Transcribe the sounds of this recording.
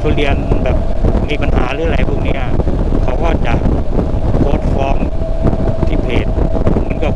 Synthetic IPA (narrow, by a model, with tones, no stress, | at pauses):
t͡ɕʰu˧ɾi˧ənma˧nbɛː˨˩p̚miː˧pa˧nɦa̰ː˩˦ɾɯː˦ʔɾa˧˩jpʰu˥˩˨ŋniː˦˥kʰa˨˩˦waː˥˩t͡ɕa̰ː˨˩ʔ̚ | k̪ʰoː˦˥˩t̪̚fɔː˧˥˩ŋ | t̪ʰiː˥˩pʰeː˨˩t̪̚ma˧˥˨nkɔː˥˩